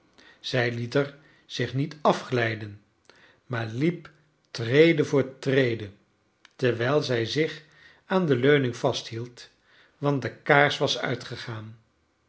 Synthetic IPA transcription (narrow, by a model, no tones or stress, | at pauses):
z̥ɛjlitəɹ | z̥ɪχnitɑfχlɛjdən | maːɹlip | trejdəvʊːɹətrejdə | tɛɹʋɛjlˠzɛjzɪχ | aːndəløɥnɪŋvɑstɦilˠt | ʋɑndəkaːɹsʋɑsœ̰ɥtχəχaːn